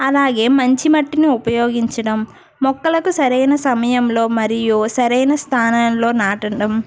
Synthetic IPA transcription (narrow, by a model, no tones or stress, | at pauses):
ɐlaːɡe̞ːmɐɲt͡ʃimɐʈːiniupɐjo̞ːɡiɲt͡ʃɐɽɐmː | ɔkːɐlɐkusɐɾɐjnɐsɐmɐjɐmlo̞ːmɐɾijusɐɾɐjnɐst̪ʰaːnaːnlo̞ːnaːʈɐɖɐm